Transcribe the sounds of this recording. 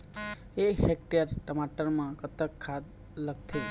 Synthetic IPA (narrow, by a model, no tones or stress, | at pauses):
eɦek̚ʈijəɾʈəmaʈəɾmãkət̪əkʰːad̪ | lək̚t̪ʰi